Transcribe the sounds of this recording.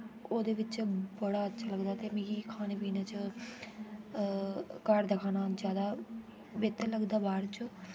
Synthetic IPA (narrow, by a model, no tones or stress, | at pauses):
oːd̪eːʋɪt͡ʃbəɽaːətːʃʰaːləɡd̪aːt̪eːmĩːɡiːkʰaːneːpiːnaːt͡ʃ | kəɾd̪əkʰaːnaːd͡ʒjaːd̪aː | beːt̪əɾləɡd̪aːbaːɾt͡ʃ